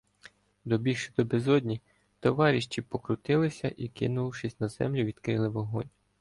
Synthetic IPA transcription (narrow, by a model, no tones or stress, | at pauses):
d̪ɔbʲiʃɪd̪ɔbezɔd̪ʲnʲi | t̪ɔʋɑɾʲiʃt͡ʃipɔkɾʊt̪ɪlˠɪsʲɐʔikɪ̰nʊʃɪsʲnɐzɛ̰mlʲʊʋʲid̪kɾɪlˠɪʋɔɦɔ̰nʲ